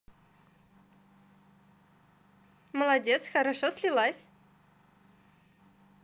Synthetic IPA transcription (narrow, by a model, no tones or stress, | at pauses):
məlˠɐdʲet̪sxəɾɐʂosʲlʲɪlˠasʲ